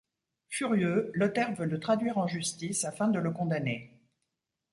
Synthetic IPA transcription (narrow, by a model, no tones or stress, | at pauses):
fyʁjølɔt̪ɛʁvølət̪χad̪ɥiʁɑ̃ʒyst̪isafɛ̃d̪ələkɔ̃d̪ane